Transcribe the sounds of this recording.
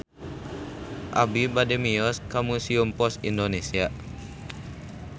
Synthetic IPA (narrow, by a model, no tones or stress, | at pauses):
ʔa̰bibademiɔskamusiumpɔsindonesia